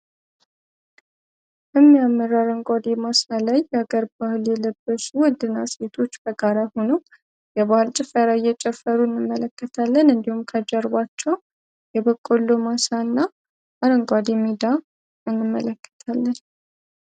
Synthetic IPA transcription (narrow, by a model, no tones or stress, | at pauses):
jɛmːijamːəɾaɾəŋɡʷad̪emasalajːɛaɡəɾbahljɛləbːəsuwɔnd̪ɨnːase̞t̪ʰo̞t͡ʃːbəɡaɾaho̞no | jɛβahɨlt͡ʃʼɪfəɾajɛt͡ʃʼɛfəɾuɨnːɨmːələkːət̪ʰalːənɨnd̪ihumkʰəd͡ʒɛɾβat͡ʃːɛw | jɛbəkʼːolːomasanːa | aɾəŋɡʷad̪emid̪a | ɨnːɨmːələkːə̥t̪ʰalːən